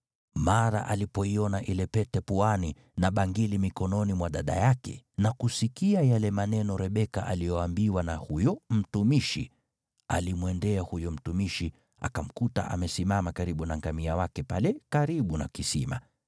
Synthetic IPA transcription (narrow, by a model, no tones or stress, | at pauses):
maɾa̰ʔalipɔiɔnaʔilɛpɛtɛpuani | naɓaŋɡilimikɔnɔnimwaɗaɗa̰jakɛ̰nakusikiajalɛmanɛnɔɾɛɓɛka̰ʔa̰lijɔambiwanahujɔm̩tumiʃi | a̰limwɛndɛahujɔm̩tumiʃi | a̰kam̩kuta̰ʔa̰mɛsimamakaɾiɓunaŋɡamiawakɛpalɛkaɾiɓuna̰kisḭma̰